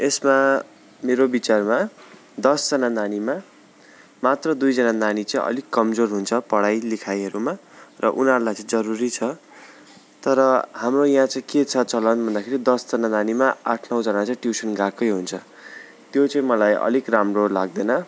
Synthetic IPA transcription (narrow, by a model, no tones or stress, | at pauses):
esma | meɾobit͡sarma | d̪ʌsd͡zʌnananima | mat̪rʌd̪ujd͡zʌnananit͡sʌĩʔʌ̰likːʌmd͡zorɦunt͡sʰʌpʌɽajlikʰajɦʌɾumarʌ̰ʔunʌɾulajt͡sʌ̃ĩd͡zʌɾuɾit͡sʰʌ | t̪ʌɾʌhamrojɦãt͡sʌj̃ket͡sʰʌt͡sʌlʌnbʱʌnd̪akʰeɾid̪ʌsd͡zʌnananimaaʈʰnʌw̃d͡zʌnat͡sʌĩʈjusʌnɡakʌjɦunt͡sʰʌ | t̪jot͡sʌĩmʌlajʔʌ̰likramrolaɡ̚d̪ʌnʌ